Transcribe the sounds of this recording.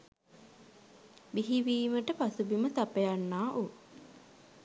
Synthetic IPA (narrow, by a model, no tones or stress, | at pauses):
miɦiʋiːməʈəpasubimət̪apejanːaːʔo